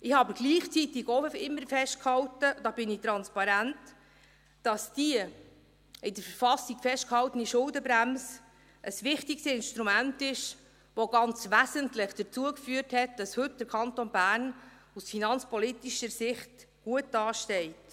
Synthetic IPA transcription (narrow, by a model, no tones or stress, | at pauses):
ʔɪhɑːbəɡ̥liːχt͡sit̪ɪɡoɪmːəɾfɛʃt̚khɑltəd̥̪ɑb̥ɪnɪt̪ɾɑnspɑɾænt | d̥ɑsd̥iə | ɪdəɾfəɾfɑsiɡfɛʃtkhɑltəniʃʊldəbɾæms | ʔəsʋɪχtiksɪnʃt̪ɾumæntɪʃ | ʋoɡɑnt͡sʋæsəntlɪχd̥əɾt͡suəkfyəthɛt̚d̥ɑshɵt̚d̥əɾkʰɑntonbæːɾn | usfinɑnt͡spɔlitiʃəɾsɪχt | ɡ̥uət̚d̥ɑːʃtɛɪt